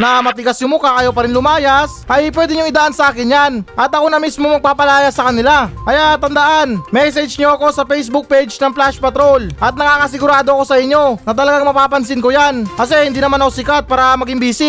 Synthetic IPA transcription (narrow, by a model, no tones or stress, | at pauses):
nɐmɐt̪ɪɡasjʊmʊkakɐjopɐɾɪnlʊmaːjasʔɐjpwɛːd̪ɛɲʊŋɪd̪aʔansɐʔaːkɪnjanʔɐt̪ɐko̞nɐmismomɐɡ̚paːpɐlaːjɐsːɐkɐnɪlaʔɐjat̪ɐnd̪ɐʔanmɛs̬ɛd͡ʒɲoɐko̞sɐpɛjsbʊk̚pejd͡ʒnɐŋplaʃpɐt̪ɾo̞lʔɐt̪̚nɐkaːkɐs̬ɪɡʊɾaːd̪oɐko̞sɐʔɪɲːo̞nɐt̪̬ɐlɐɡaŋmɐpaːpɐnsɪnkojankɐsɛhɪnd̪iːnɐmanɐko̞sɪkat̪̚paːɾɐmɐɡɪmbiːsɪ